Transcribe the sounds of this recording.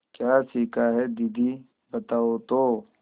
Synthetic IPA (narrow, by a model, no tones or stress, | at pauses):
kjaːsiːkaɦɛd̪id̪ʱi | bɐt̪aːot̪oː